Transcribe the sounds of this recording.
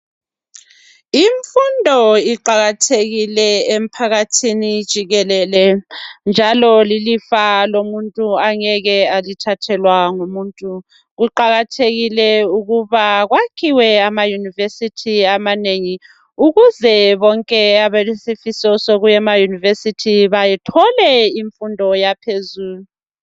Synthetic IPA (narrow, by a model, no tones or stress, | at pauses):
iɱfundʱɔiǃaɣatʰeɣilɛem̩pʰaɣatʰinid̥ʒ̥ʱiɣɛlɛlɛnd͡ʒʱalɔlilifalomuntʼuaŋɛɣɛalitʰatʰɛlwaŋumuːntʼu | ɣuǃaɣatʰeɣilɛuɣuβaɣwakʰiwɛamajunivesitʰiamaneŋi | uɣuzɛβɔŋkʼɛaβelisifisɔsoɣujɛmajunivesitʰiβajɛtʰɔlɛiɱfundʱɔjapʰezuːlu